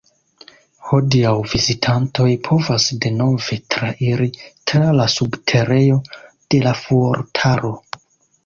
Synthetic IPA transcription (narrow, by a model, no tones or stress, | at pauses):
ho̞diawvizitʰanto̞jpʰo̞vasde̞no̞ve̞tɾaʔiɾitɾalasubtʰe̞ɾe̞jo̞ | d̥e̞lafoɾtʰaɾo̞